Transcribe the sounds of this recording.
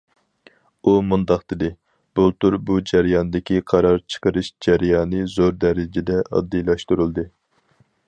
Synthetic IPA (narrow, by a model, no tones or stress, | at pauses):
umund̪ɑqd̪ɪd̪ɪ | b̥ulˠt̪uɾbud͡ʒæɾjɑnd̪ɪkʲʰiqʰɑɾɑɾt͡ʃʰə̥qəɾɨʃd͡ʒæɾjɑːnɨzoɾd̪ɛɾɪd͡ʒɪd̪ɛʔɑ̰d̪ːijlˠɑʃt̪uɾulˠd̪ɨ